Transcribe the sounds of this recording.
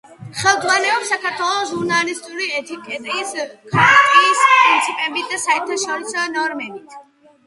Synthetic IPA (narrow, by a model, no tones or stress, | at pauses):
χɛlˠd̪zʼʁwanɛɔpsːakʰaɾt̪ʰwɛlˠɔsʒuɾnalist̪ʼuɾiɛt̪ʰikʼɛt̪ʼiːskʰatʼit̪ʼiːspɾint̪sʰipʼɛbit̪̚ʰd̪asaɛɾt̪ʰaʃɔɾisɔnɔɾmɛbit̪ʰ